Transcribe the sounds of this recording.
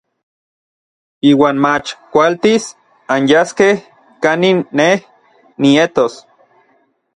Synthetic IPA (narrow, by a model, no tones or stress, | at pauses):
iːwaːnmat͡ʃkʷalt̪is | anjaskeh | kaninːeh | niet̪os